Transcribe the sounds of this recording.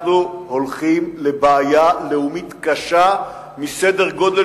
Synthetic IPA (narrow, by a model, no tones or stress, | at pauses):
nuholχimlebaːjaleumit̪kaʃa | misedeʁɡo̞de